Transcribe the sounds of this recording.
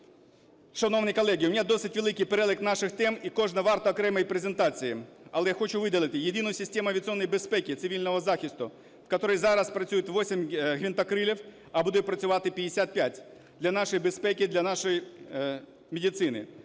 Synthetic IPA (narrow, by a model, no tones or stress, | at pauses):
ʂɐnownəjkɐlˠɛɡʲɪʊmʲɪnʲad̪osʲɨtʲʋʲɪlˠɪkʲɪjpɛɾɛlˠɪknaʂɪxt̪ɛmikoʐnɐʋɑrt̪ɐːkɾɛmɐjpɾezʲɪnt̪at͡sʲɪjɪɐlˠɛjaxot͡ɕʊʋɪdʲɪlˠɪt̪ɪjɪd̪ʲinʊjʊsʲɪsʲtʲemʊɐʋʲɪt̪sɔnːɐjbɪspɛkʲɪt̪sɨʋʲilʲnɔʋɐzaxʲɪst̪ʊ | fkɐt̪oɾəjzaɾɐspɾɐsʲujɪt̪ʋosʲɪmʲɣʲɪnt̪ɐkɾɪlʲɪf | ɐbud̪ʊt̪̚ʲpɾɐt͡sʲʊʋat̪ɪpʲɪdʲɪsʲat̪̚pʲatʲ | d̪lʲɐnaʂɔjbɪspɛkʲɪd̪lʲɐnaʂɔj | mʲɪdʲɪt̪sɪnɪ̰